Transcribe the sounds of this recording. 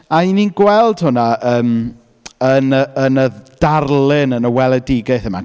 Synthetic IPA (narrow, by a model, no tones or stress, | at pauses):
aininɡwɛlˠd̥hʊnaəːm | ənəənəðd̥arlˠɪnənəwɛlˠədɪɡaɨθəma̰